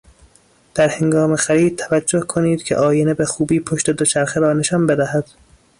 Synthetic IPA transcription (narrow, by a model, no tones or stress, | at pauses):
d̪̥æɾhe̞ŋɡɒːmexæɾiːd̪̚t̪ʰævæd͡ʒːo̞hkʰoniːd̪̥kʰeʔɒːjenebexuːbiːpʰoʃt̪e̞d̪o̞t͡ʃʰæɾxeɾɒːne̞ʃɒːnbed̪æhæd̪̥